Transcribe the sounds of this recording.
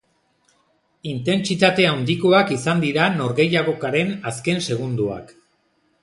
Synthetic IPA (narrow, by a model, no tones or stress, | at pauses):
int̪e̞nt͡sit̪at̪e̞and̪iko̞akisand̪iɾano̞ɾɣe̞jaɣo̞kaɾe̞naske̞nse̞ɣ̞und̪ua̰k